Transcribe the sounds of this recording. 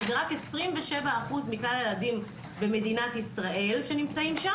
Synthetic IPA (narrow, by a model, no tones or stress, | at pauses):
ʁakesʁimveʃevaːχuzmiklaljeladim | be̞me̞d̪inat̪isʁaʔe̞lʃe̞nimt͡saimʃa